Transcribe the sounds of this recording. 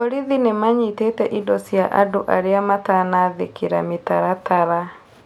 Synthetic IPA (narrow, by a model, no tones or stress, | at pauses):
ɔɾiðinemaɲitetɛʔidɔsjaʔadoʔaɾeamatanaðḛkeɾa̰metaɾataɾa